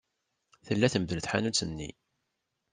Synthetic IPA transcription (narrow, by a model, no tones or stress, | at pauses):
θəlːæθəmðələθħanut͡sːənːḭ